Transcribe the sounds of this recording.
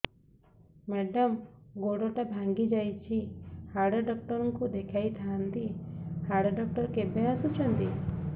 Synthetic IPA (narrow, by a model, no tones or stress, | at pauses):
mɛɖɔmɡoɽɔʈabʱaŋɡid͡ʒajt͡ʃʰihaɽɔɖɔk̚ʈɔɾɔŋkud̪ekʰajt̪ʰaant̪ihaɽɔɖɔk̚ʈɔɾkebʱeɾasut͡ʃʰɔnt̪i